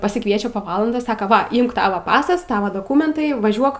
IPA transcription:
pɐsʲɪkˈʋʲiɛt͡ʃʲɛ poː ˈʋɑːlˠɐndoːs ˈsɑːkɐ ˈʋɐ ˈɪmk ˈtɑːʋɐ ˈpɑːsɐs ˈtɑːʋɐ doːˈkuːmʲɛntɐɪ ˈʋɑːʒʲuɔk

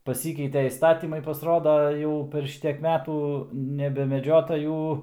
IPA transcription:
pɐˈsʲiːkʲɛɪtʲeː iːsˈtɑːtʲiːmɐɪ pɐsˈroːdɐ ˈjɛʊ pʲɛr ˈʃʲɪtʲiɛk ˈmʲæːtuː nʲɛbʲɛmʲɛˈd͡ʒʲoːtɐ ˈjuː

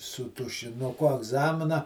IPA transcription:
sʊ tʊʃʲɪnʊˈkʊ ɐɡˈzɑːmʲɪnɐ

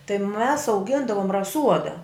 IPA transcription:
tɐɪ mʲɛs ɐʊˈɡʲɪndɐʋʊm rɐˈsuɔdɐ

